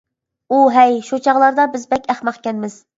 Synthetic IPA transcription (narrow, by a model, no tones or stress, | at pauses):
uɦɛjʃut͡ʃʰɑʁlˠɑɾd̪ɑbɪzbɛkʲæχmɑqkʲɛnmɪz̥